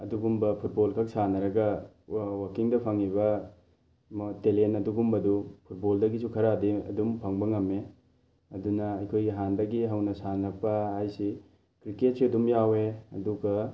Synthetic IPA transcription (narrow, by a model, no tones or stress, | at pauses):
ɐduɡumbɐpʰut̚bolkʰɐk̚sanɐɾɐɡɐ | wɐkiŋdɐpʰɐŋiβɐ | mtelenɐduɡumbɐdupʰut̚boldɐɡisukʰɐɾadiɐ̰dumpʰɐŋbɐŋɐme | ɐdunɐɐjkʰojɡiɦandɐɡiɦɐwnɐsanɐpːɐɦajsi | kɾiket̚siɐdumjaweɐ̰duɡɐ